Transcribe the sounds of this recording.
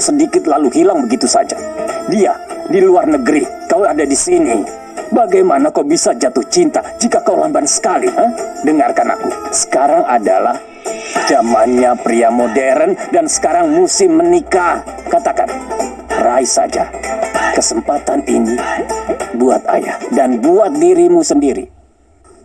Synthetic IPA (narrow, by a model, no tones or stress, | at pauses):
sədikɪt̪̚laluhilaŋbəɡit̪usad͡ʒa̰diadiluarnəɡəɾikawadadisini | baɡajmanakawbisad͡ʒat̪ʊht͡ʃint̪ad͡ʒikakawha̰mbansə̥kaliʔədəŋarkana̰kusə̥kaɾaŋada̰lah | d͡ʒamanɲapɾiamodɛɾəndansə̥kaɾaŋmusɪmːənikahkat̪aka̰n | raisa̰d͡ʒa̰kəsəmpat̪anḭni | buat̪̚a̰ja̰hdanbuat̪̚diɾimusəndiɾḭ